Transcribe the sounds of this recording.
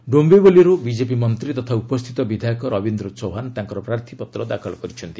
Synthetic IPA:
ɖombeboliɾubid͡ʒepimʌnt̪ɾit̪ɔt̪ʰaupɔst̪ʰit̪ɔbid̪ʱajɔkɔɾɔbind̪ɾɔt͡sɔwɦant̪ãŋkɔɾɔpɾaɾt̪ʰipɔt̪ɾɔd̪akʰɔlɡɔɾit͡ʃʰʌnt̪i

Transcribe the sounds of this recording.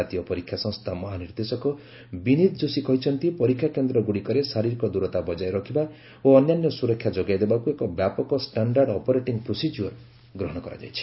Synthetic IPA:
at̪ijɔpɔɾikʰːjasɔ̃ŋst̪ʰamɔɦaniɾd̪esɔkɔ | binit̪d͡ʒosikɔɦit͡ʃʰɔnt̪ipɔɾikʰːjakend̪ɾɔɡuɽikɔɾesaɾiɾikɔd̪uɾɔt̪abɔd͡ʒajɾɔkʰiba | oɔnjanjɔsuɾɔkʰjad͡ʒɔɡajd̪ebakuekɔbjapɔkɔsʈaɳɖaɾɖɔpɔɾeʈiŋɡpɾosid͡ʒɔɾ | ɡɾɔɦɔɽ̃ɔkɔɾa̰d͡ʒa̰jt͡ʃʰi̥

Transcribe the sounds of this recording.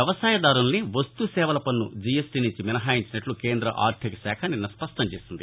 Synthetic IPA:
jɐʋɐsaːjɐd̪aːɾunɐniʋɐst̪usɛːʋɐlɐpɐnːud͡ʒijesʈinuɲt͡ʃiminɐɦaːjiɲt͡ʃinɐʈlukeːnd̪ɾɐ̰ʔa̰ːɾt̪ʰikɐsɛːkʰɐninːɐspɐʂʈɐɲt͡ʃeːsind̪i

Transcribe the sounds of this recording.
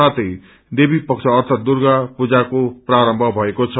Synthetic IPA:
at̪ʌj | d̪ebipʌkt͡sʰʌːrt̪ʰʌt̪̚d̪urɡapud͡zakopraɾʌmbʱʌbʱʌekot͡sʰʌ

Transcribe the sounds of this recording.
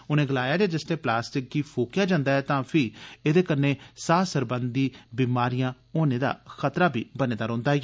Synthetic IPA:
ʊnẽːɡəlaːjaːd͡ʒaːd͡ʒɪst̪eːplaːsʈɪk̚ɡiːpʰoːkjaːd͡ʒãːnd̪aːɦɛːt̪ãːpʰɪeːd̪eːkəɾneːsaːsəɾbənd̪iːbiːmaːɾijãː | oːneːd̪a̰ːxət̪ɾaːbḭːbənẽːd̪aːɾɔ̃ːnd̪aː

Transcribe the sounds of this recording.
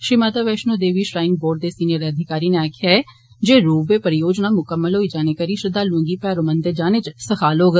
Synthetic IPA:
ʃimaːt̪aʋeːʃnõːd̪eːʋiːʃɾaːɪŋ̚boːɾɖ̚d̪eːsiːnijəɾeːəd̪ʱɪkaːɾiːneaːkʰjaːɛ | d͡ʒeːɾuːbeːpəɾɪjoːd͡ʒnaːmʊkəmːəlɦoːiːd͡ʒaːneːkəɾiːʃəd̪aːlõŋɡiːpɛːɾoːmənd̪eːd͡ʒaːneːt͡ʃsəkʰaːloːɡ

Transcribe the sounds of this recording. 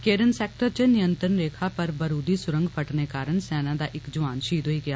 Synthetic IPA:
keːɾənsɛːk̚ʈəɾt͡ʃənɪjənt̪ɾənɾeːkʰaːpəɾbəɾuːd̪iːsʊɾə̃ŋɡpʰəʈneːkaːɾəɳsɛːnãːd̪aːʔɪkd͡ʒʊʋaːnʃiːd̪ɦoːiːɡɪjaː

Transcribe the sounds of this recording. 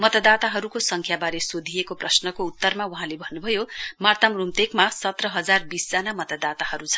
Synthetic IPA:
mʌt̪ʌd̪at̪aɦʌɾukosʌŋkʰjabaɾesod̪ʱijekoprʌsnʌkout̪ːʌrmauɦãlebʱʌnːubʱʌjomʌrt̪ʌmrumt̪ekmasʌt̪rʌɦʌd͡zarbisd͡zanamʌt̪ʌd̪at̪aɦʌɾut͡sʰʌn

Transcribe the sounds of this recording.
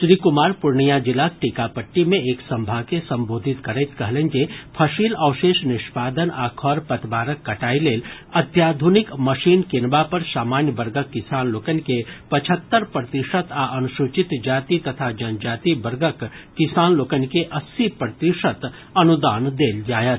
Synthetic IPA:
ʃɾiːkʊmaːɾpʊɾɳijad͡ʒɪlaːk̚ʈikapəʈːimẽeːksɐ̃mbʱaːkesɐ̃mboːd̪ʱɪt̪kɐɾet̪kɐɦlə̃nd͡ʒepʰɐʃiːlɐːʃeːʃnɪʃpaːd̪ənaːkʰɔːɾpɐt̪baːɾəkːɐʈaːileːl | ɐt̪jaːd̪ʱunɪkmɐʃiːnkɪnbapɐɾsaːmaːnjəbɐɾɡəkːɪsaːnloːkənkepɐt͡ʃʰət̪ːəɾpɾət̪ɪʃət̪aʔɐnʊʃʊt͡ʃɪt̪d͡ʒaːt̪it̪ɐt̪ʰad͡ʒɐnd͡ʒaːt̪ibɐɾɡəkkːɪsaːnloːkənkeʔɐsːipɾət̪ɪʃət̪ | ɐnʊd̪aːnd̪eːld͡ʒaːjət̪

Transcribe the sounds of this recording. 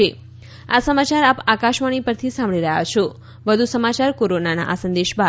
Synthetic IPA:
e | asəmat͡ʃaɾapakaʃʋaɽ̃ipəɾt̪ʰisãmbɭiɾəɦja̰t͡ʃʰo | ʋəd̪ʱusəmat͡ʃaɾkoɾonana̰ʔasə̃nd̪eʃba

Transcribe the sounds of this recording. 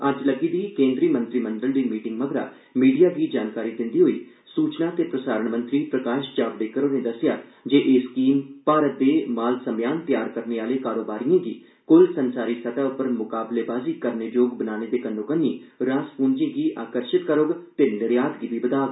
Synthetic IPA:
əd͡ʒləɡiːd̪iːkẽːnd̪ɾiːmə̃nt̪ɾiːmənɖəld̪iːmiːʈɪŋɡməɡɾa̰ː | miːɖijaːɡiːd͡ʒaːnkaːɾiːd̪ɪnd̪iːɦoːḭː | suːt͡ʃnaːt̪eːpɾəsaːɾəɳmə̃nt̪ɾiːpɾəkaːʃd͡ʒaːbɖeːkəɾoːnẽːd̪əsɪjaːd͡ʒeːʔeːskiːmpaːɾət̪̚d̪eːmaːlsəmjaːnt̪jaːɾkəɾneːaːleːkaːɾoːbaːɾijãːɡiː | kʊlsənsaːɾiːsət̪aːʊpəɾmʊkaːbleːbaːziːkəɾneːd͡ʒoːɡbənaːneːd̪eːkənːõːkənːiːɾãːspuːnd͡ʒĩːɡiːʔaːkəɾʃɪt̪kəɾoɡt̪eːləɽɪjaːt̪ɡiːd̪iːbəd̪aːʋ

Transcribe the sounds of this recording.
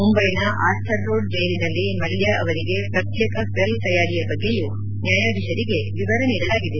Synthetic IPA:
mumbɐjnɐʔa̰ːst̪ʰɐɾːoːɖd͡ʒɐjɐɾinɐlːimɐljaʔɐʋɐɾiɡe̞pɾɐt̪jɛːkɐsɐlt̪ɐjaːɽijɐbɐɡːe̞ju | njaːjaːd̪iʃɐɾiɡe̞ʋiʋɐɾɐniːɽɐlaːɡid̪e

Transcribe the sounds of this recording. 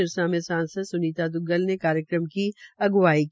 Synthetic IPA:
ɪɾsãmẽsãːnsəd̪sʊniːt̪ad̪ʊɡəlnekaːɾjəkɾəmkiɐɡʋaːik

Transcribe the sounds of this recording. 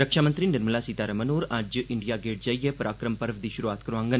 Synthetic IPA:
ɾəkʃaːmənt̪ɾinɐɾməlasit̪aːɾəmənoːɾad͡ʒʔɪɳɖijaːɡeːʈd͡ʒaːijepɐɾʔaːkɾəmpəɾʋd̪iːʃʊɾuaːt̪kɐɾãːŋɡən

